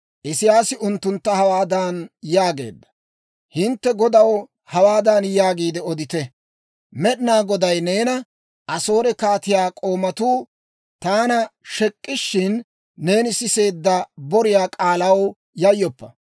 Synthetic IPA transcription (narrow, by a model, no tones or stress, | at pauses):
ʔɪsɪjaːsɪʊnt̪ːʊnt̪ːɐhɐwaːd̪ɐnjaːɡe̞̰ːd̪ːɐ̥ | hɪnt̪ːɛɡɔd̪ɐw | hɐwaːd̪anjaːɡiːd̪ɛɔd̪ɪt̪ɛ | mɛɗɪnaːɡɔd̪ɐjne̞ːnɐ | ʔɐso̞ːɾɛkaːt̪ɪjaːkʼo̞ːmɐt̪uː | t̪aːnɐʃɛkʼːɪʃːɪnː | e̞ːnɪsɪse̞ːd̪ːɐbɔɾɪjaːkʼaːlɐw | jɐjːɔpːɐ